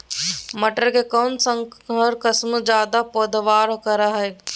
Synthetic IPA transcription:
məʈəɾkekɔːnsə̃ŋəɾkəsmd͡ʒaːd̪apoːd̪ʋaːɾokəɾaɦɛː

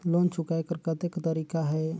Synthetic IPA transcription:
lont͡ʃʰukajkəɾkət̪ekt̪əɾikaɦɛ

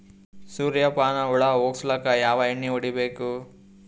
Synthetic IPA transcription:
suːɾjɐpaːnɐuɽɐɐɦoːɡslɐkɐjaːʋɐeɳːioɽibeːku

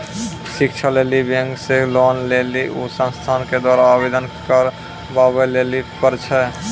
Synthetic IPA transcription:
sikt͡ʃʰalelibə̃ŋɡselɔnleliʔusə̃nst̪ʰanked̪waːɾaːbed̪ənkəɾ | babəlelipəɾt͡ʃʰɛ

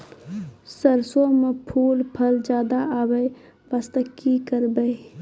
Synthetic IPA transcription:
səɾsomepʰuːlpʰəld͡ʒaːd̪aʔaːwəj | ʋast̪əkːikəɾbəi

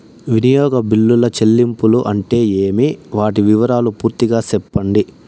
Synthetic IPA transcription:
ʋinijɔːɡɐbilːulɐt͡ʃelːimpuluʔɐɳʈe̞ːeːmiʋaːʈiʋiʋɐɾaːlupuːɾt̪iɡaːsɛpːɐɳɖi

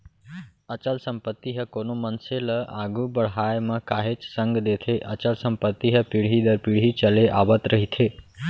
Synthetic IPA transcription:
ət͡ʃəlsəmpət̪ːiɦəkoːnomənseləa̰ɡʱubəɽ̤ɦaːjmə̃kaːɦet͡ʃsə̃ŋɡd̪et̪ʰeʔət͡ʃəlsəmpət̪ːiɦəpiɽ̤ɦid̪əɾpiɽ̤ɦit͡ʃəleʔa̰ːʋət̪ɾəɦit̪ʰeː

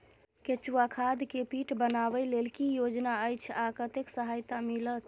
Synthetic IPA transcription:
ket͡ʃuwakʰad̪kepiʈbənabəlelkijod͡ʒnaəjt͡ʃʰakət̪eksəɦajt̪amilət̪

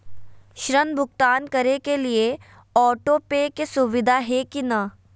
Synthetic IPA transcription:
ʃɾənbʱʊk̚t̪aːnkɐɾekelie | ɔːʈopeːkesʊʋɪd̪ʱaɦɛkinɐ

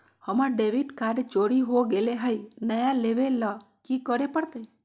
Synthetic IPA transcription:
həmaɖeʋiʈkaɖet͡ʃoɽiɦoɡeleɦəjnəjaleʋela | kikəɾepəɽt̪e

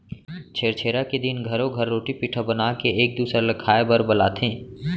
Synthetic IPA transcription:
t͡ʃʰeːɾt͡ʃʰeːɾaked̪ɪnɡʱɐɾõɡʱɐɾːoːʈipiːʈʰabɐnaːkeeːk̚d̪uːsɾalɐkʰaːebəɾbɐlaːt̪ʰẽː

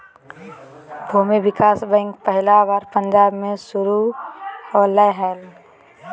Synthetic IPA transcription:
bʱumibɪkaːsbə̃ŋkpəɦɪlabaːɾpə̃nd͡ʒaːbmẽsʊɾu | ɔːləɦɛːl

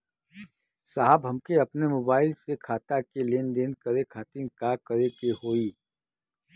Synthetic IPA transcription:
saːɦəbɦɐmkeɐpnemoːbaːɪlsekʰaːt̪akeleːnd̪eːnkɐɾekʰaːt̪inkakəɾekeɦoːiː

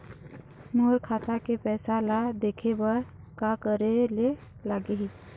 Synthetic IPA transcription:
muːɾkʰaːt̪akepɛːsalad̪eːkʰebəɾ | kakəɾele | laɡeɦi

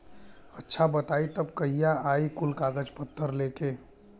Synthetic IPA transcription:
ətːʃʰabət̪aːit̪əbkɐɦijaaːikʊlkaːɡəd͡ʒpət̪ʰːəɾleːkeː

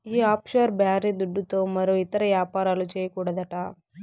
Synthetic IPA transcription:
iːaːpʃoːɾbjaːɾiːd̪uɖːut̪o̞ːmɐɾoit̪ɐɾɐʋjaːpaːɾaːlut͡ʃeːjɐkuːɽɐd̪ɐʈɐ

